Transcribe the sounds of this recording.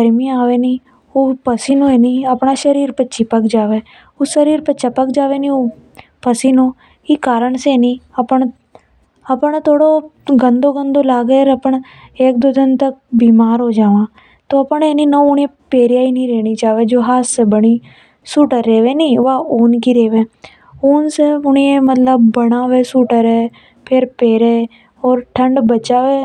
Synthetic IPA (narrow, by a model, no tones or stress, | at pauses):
ɡəɾmĩaːʋeːniː | oːpəsiːnũːeːnĩːəpɳaːʃəɾiːɾpətːʃʰiːpəkd͡ʒaːʋeː | oːʃəɾiːɾpətːʃʰaːpəkd͡ʒaːʋeːnĩːoː | pəsiːnõː | iːkaːɾəɳseːnĩːəpəɳ | əpəɽt̪ʰoːɽoːɡə̃nd̪oːɡə̃nd̪oːlaːɡeːɾəpəɳ | eːk̚d̪oːd̪ɪnt̪ək̚biːmaːɾɦoːd͡ʒaːʋãː | t̪oːɐpneːnĩnəʊɽepeːɾjaːinĩɾeːnit͡ʃaːʋed͡ʒoːɦaːssebəɽ̃i | suːʈəɾːeːʋẽːnĩʋaːoːnkiɾeːʋẽː | oːnseʊɳ̃iemət̪ləbːəɽaːʋesuːʈəɾe | pʰɪɾpeːɾeː | ɔːɾʈʰə̃ɳɖbət͡ʃaːʋeː